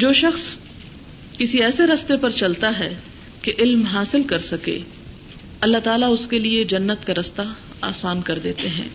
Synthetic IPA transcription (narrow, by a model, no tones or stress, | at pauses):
d͡ʒoːʃɐxs | kɪsiɛːseɾɐst̪epɐɾt͡ʃɐlt̪aɦɛ | keʔɪlmɦaːsɪlkɐɾsɐkḛː | ɐlːat̪aːlaʊskelied͡ʒɐnːət̪kaɾɐst̪a | aːsaːnkɐɾd̪eːt̪eɦɛ̰̃ː